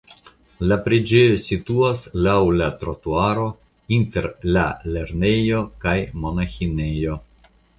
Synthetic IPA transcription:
lapɾid͡ʒejosituaslawlatɾotuaɾo̞ | inte̞ɾla̰le̞ɾne̞jo̞kajmo̞naxine̞jo̞

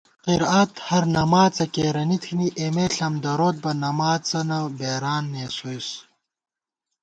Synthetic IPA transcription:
qiɾat̪hɐɾnɐmaːt͡sɐkeːɾɐnit̪ʰiniʔemeːɬɐmd̪ɐɾoːt̪̚bɐnɐmaːt͡sɐnɐbeːɾaːnːeːsojs

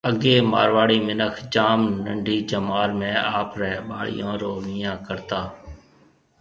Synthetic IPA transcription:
əɡeːma̰ːɾʋaːɽiːmɪnəkʰd͡ʒaːmnəɳɖʱiːd͡ʒəmaːɾmẽːaːpɾɛɓaːɭ̤ɪ̰jõːɾoːʋĩːãːkəɾt̪aː

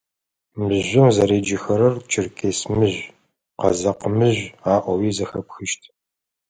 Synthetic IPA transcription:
mɨʒʷʊmzɐɾeːd͡ʒɪxɐɾɐrt͡ʃʰɪrkʰeːsmɨʑ | qɐ̰zɐqəmɨʑʷaːʔʷɔwiːzɐxɐpxɨʃtʰ

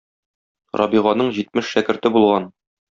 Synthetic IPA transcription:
ɾʔɒ̰biʁɑnɤɴʑit̪mɘʃːækɘ̆ɾt̪ɘbulˠʁɑn

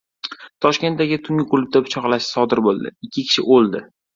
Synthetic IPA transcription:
t̪ʰɒʃkʲe̞nt̪̚d̪aɡʲɪt̪ʰʊŋʲɪqʰʊlˠʊp̚t̪abʊt͡ʃʰɒqlaʃɪ̥sɒd̪ɪɾbolˠd̪ɪ̰ɪkʲʰːɪkʲʰɪ̥ʃɪʔolˠd̪ɪ

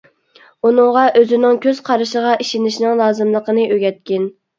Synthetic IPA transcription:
unɨŋʁɑʔøzɪnɪŋkʲʰøz̥qʰɑɾɨʃəʁɑʔiʃinɪʃnɪŋlˠɑːzɨmlˠəqənɨʔøɡʲɛt̪̚kʲɪn

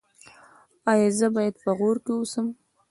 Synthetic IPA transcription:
ɑjɑzəbɑjad̪pəɣoɾkeusəm

